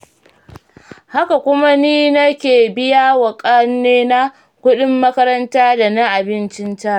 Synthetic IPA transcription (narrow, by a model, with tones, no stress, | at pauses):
ha˦ka˨kʷʊ˦ma˦niː˦nɐ˦kʲeː˨bɪ˦ja˦wɐ˨kʼɐ˦nːeː˦na˦ | kʷʊ˦ɗɪ˦mːɐ˦kɐ˦ɾɐ˦ntaː˦da˨na˦ʔa˨bɪ˦nt͡ʃɪ˦ntɐ˦˨